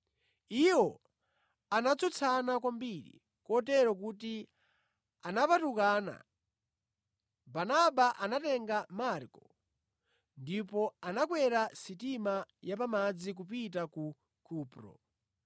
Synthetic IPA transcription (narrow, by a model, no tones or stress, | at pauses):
iwɔ | anat͡sʰut͡sʰanak̬wambiɾḭ | kɔtɛɾɔk̬uti | anapatukaːna̰ | banaɓaʔanatɛŋɡamaɾkɔ | ndipɔanakwɛɾasitimajapamad͡zik̬up̬it̬aku | kʰuːpɾɔ̰